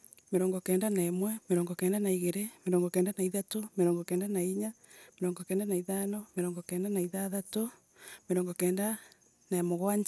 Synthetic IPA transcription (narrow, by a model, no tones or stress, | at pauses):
meɾɔːŋɡɔkɛːndanaɛmwɛmeɾɔːŋɡɔkɛːndanaiɣeɾemeɾɔːŋɡɔkɛːndanaiðatomeɾɔːŋɡɔkɛːndanaiɲa | meɾɔːŋɡɔkɛːndanaiðanɔmeɾɔːŋɡɔkɛːndanaiðaðato | meɾɔːŋɡɔkɛːnda | namoɣwaɲ